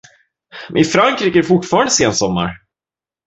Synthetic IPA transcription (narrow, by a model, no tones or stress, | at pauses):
m̰ɪfɾaŋkɾiːkəæɖɛfʊʈfɑːɾand̪əseːnsɔmːa̰ɾ